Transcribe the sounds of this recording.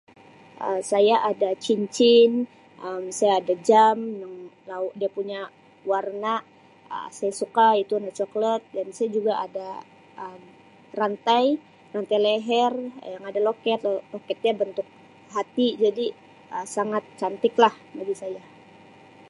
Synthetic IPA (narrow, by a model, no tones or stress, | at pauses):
ʔəsajaʔadat͡ʃiɲt͡ʃɪn | ʔəmsajaːdad͡ʒamnaŋladiapuɲa | warnaʔ | ə̰sajasukait̪uanat͡ʃɔklət̪̚dansajad͡ʒuɡaʔada | ʔəm | rant̪aj | rant̪ajlɛɦɛrjaŋadalokɛt̪̚lokɛt̪̚ɲabənt̪ʊk̚ | ɦat̪id͡ʒadi | əsaŋat̪̚t͡ʃant̪ɪklah | maɡisaja